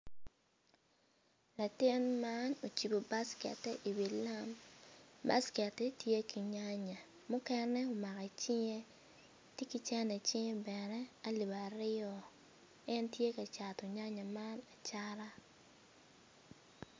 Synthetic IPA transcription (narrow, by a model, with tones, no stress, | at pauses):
la˨tɪ˦nma˦no˨t͡ʃi˨bo˨ba˦skɛ̰˨tɛ˦ʔi˨wi˨la˦m | ba̰˦skɛ˨tɛ˦tje˦ki˨ɲa˦ɲa˨ | mʊ˦kɛ˦nɛ˦o˨ma˨ka˨t͡ʃɪ˦ɲe˦ | ti˦ki˦t͡ʃɛ˦nɛ˨t͡ʃɪ˦ŋe˦bɛ˨nɛ˦a˦li˨ba˨ɾɪ˦ɔ˨ | ɛ˦ntje˦ka˨t͡ʃa˨tɔ˨ɲa˦ɲa˨ma˦na˨t͡ʃa˦ɾa˦